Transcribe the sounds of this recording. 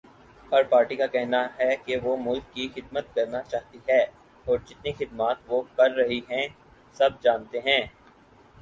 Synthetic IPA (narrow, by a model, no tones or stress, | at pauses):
ɔːɾpaːɾʈikakɛɦnaɦɛkeʋomʊlkːixɪd̪mət̪̚kɐɾnat͡ʃaːɦt̪iɦɛː | ɔːɾd͡ʒɪt̪nixɪd̪maːt̪ʋokɐɾːɐɦiɦɛ̃ | sɐb̚d͡ʒaːnt̪eɦɛ̃ː